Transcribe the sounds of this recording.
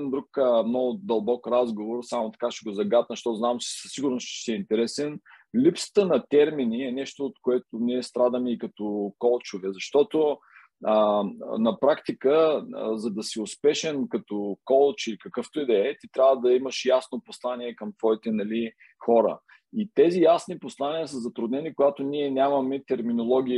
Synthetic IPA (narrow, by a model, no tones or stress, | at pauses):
ind̪ɾukəmnɔɡʊd̪ɐlˠbɔkɾazɡovoɾsamot̪ɐ̥kaʃɛɡozɐɡad̪nɐʃt̪ɔznamt͡ʃɛ̥sə̥sːiɡʊɾnost͡ʃɛ̥siɛint̪ɛɾɛsɛnlipsə̥t̪ənɐt̪ɛɾminiɛnɛʃt̪oːt̪̚koɛt̪ʊniɛst̪ɾad̪əmɛikɐt̪okɔlˠt͡ʃʊvɛzɐʃt̪ɔt̪o | ənɐpɾakt̪ikəzɐd̪ɐsiʊspɛʃɛnkɐt̪ɔkɔlˠt͡ʃilikɐkɤft̪oid̪ɛɛt̪it̪ɾʲavəd̪ɐiməʃjasnoposlˠaniɛkɐmt̪v̥ɔit̪ɛnɐli | xɔɾə̰ | it̪ɛzijasniposlˠaniəsəzɐt̪ɾʊd̪nɛnikoɡat̪oniɛnʲamɐmɛt̪ɛɾminolˠɔɡ̟ʲi